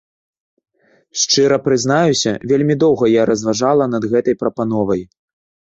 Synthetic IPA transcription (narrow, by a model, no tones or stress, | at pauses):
ʂt͡ʂɨɾɐpɾɨznajusʲɐ̰vʲelʲmʲid̪ɔwɣɐjaɾɐzvaʐalˠɐnɐd̪ɣɛt̪ɐjpɾɐpanɔvɐj